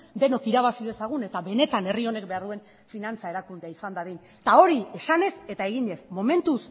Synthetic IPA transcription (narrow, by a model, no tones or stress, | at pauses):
d̪e̞no̞kiɾaβ̞asið̞e̞saɣ̞une̞t̪aβe̞ne̞t̪ane̞rio̞ne̞kbe̞aɾðue̞n | finant͡saeɾakund̪eaisand̪aðin | t̪ao̞ɾie̞sane̞se̞t̪ae̞ɣiɲe̞smo̞me̞nt̪us